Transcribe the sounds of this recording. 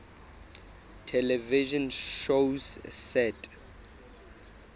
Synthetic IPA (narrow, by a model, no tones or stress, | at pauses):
tʰɛlɛviʒɔ̃nʃossɛtʰʼ